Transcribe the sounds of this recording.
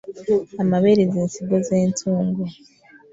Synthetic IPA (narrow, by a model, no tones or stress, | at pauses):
amaβeɾiziːnsiɡozeːntʰuːŋɡo